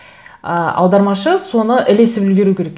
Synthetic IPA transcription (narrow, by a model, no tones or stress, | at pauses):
əɑ̰wd̪ɑɾmɑʃəso̞nəʔɪlesɪpɵlɡʲe̞ɾukʲʰe̞ɾek